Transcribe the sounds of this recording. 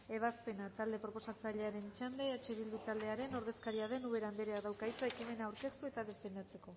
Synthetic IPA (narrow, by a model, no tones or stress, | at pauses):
e̞β̞aspe̞nat̪ald̪e̞pɾo̞po̞sat͡saʎe̞aɾe̞nt͡ʃand̪eːt͡ʃe̞βild̪ut̪ald̪e̞aɾe̞no̞ɾðe̞skaɾiaðe̞nuβe̞ɾamb̪eɾeaðawkajt͡saekime̞naːwɾke̞st̪ue̞t̪aðe̞fe̞nd̪at͡se̞ko̞